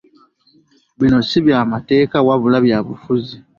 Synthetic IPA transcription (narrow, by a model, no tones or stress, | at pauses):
βino̞siβjaːmate̞ːkawaβulaβjaːβufuzi